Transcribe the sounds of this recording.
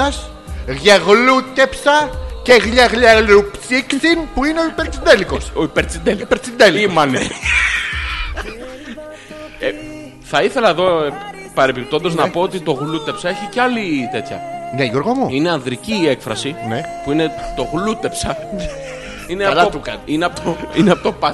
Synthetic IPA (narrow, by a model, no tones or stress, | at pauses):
ɐs | ɣɐɣlut̪epsɐkeɣʎɐɣʎaɣlɾupsiksinpuinoipeɾt̪sind̪elikosoipeɾt̪sind̪elikipeɾt̪sind̪eliimɐne | e | θɐiθe̞lɐeðo̞ | pɐɾepip̚t̪o̞nd̪eznɐpo̞ot̪it̪o̞ɣlut̪e̞psɐeçiceɐlit̪e̞t̪çɐ̰nejoɾɣomuine̞ɐnðɾiciːekfɾɐsinepuinet̪o̞ɣlut̪e̞psɐ | ineɐɐouɐnineɐpot̪oineɐpot̪opɐ